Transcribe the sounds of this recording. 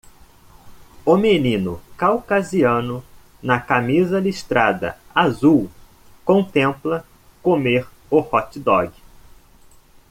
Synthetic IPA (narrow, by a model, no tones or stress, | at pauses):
omenĩnʊ̰kawkaziɐ̃nʊ | nɐkamizɐliʃt̪ɾad̪ɐ̰azuw | kõnt̪ẽmplɐ | komeɾ | ʊhɔt͡ʃɪd̪ɔɡɪ